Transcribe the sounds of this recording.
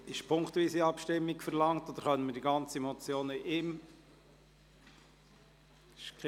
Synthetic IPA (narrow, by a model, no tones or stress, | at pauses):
ɪʃpʰʊŋktʋiːsiɑpʃtɪmːiɡ̥fɛɾlɑŋtod̥̪əɾχœntməɾd̥iɡɑnt͡simɔt͡sjoːnəʔɪm | ʃk